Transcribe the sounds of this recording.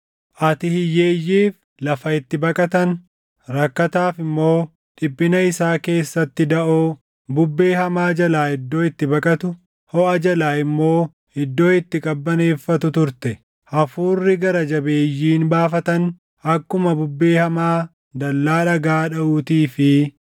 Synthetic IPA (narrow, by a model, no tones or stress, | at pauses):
ʔɐt̪ɪhɪjːe̞ːjːiːf | lɐfɐɪt̪ːɪbɐkʼɐt̪ɐn | ɾɐkːɐt̪aːfɪmːo̞ː | ᶑɪbːɪnɐɪsaːke̞ːsːɐt̪ːɪd̪ɐʔoː | bʊbːe̞ːhɐmaːd͡ʒɐlaːɪd̪ːo̞ːɪt̪ːɪbɐkʼɐt̪ʊ | hɔɐd͡ʒɐlaːɪmːo̞ː | ɪd̪ːo̞ːɪt̪ːɪkʼɐbːɐne̞ːfːɐt̪ʊt̪ʊɾt̪ɛ | ʔɐfuːrːɪɡɐɾɐd͡ʒɐbeːjːiːnbaːfɐt̪ɐn | ʔɐkːʊmɐbʊbːe̞ːhɐmaː | d̪ɐlːaːᶑɐɡaːᶑɐuːt̪iːfɪ